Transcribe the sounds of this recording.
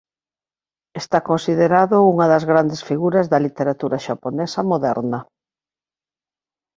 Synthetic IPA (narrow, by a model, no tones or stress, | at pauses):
est̪akonsiðeɾaðʊuŋɐðɐzɣɾand̪esfiɣuɾɐzðɐlit̪eɾat̪uɾɐʃaponɛsɐmoðɛɾnɐ